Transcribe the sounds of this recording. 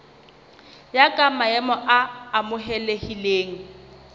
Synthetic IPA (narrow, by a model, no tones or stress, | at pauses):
jakʼamaɛmɔʔaːmʊɦɛlehileːŋ̩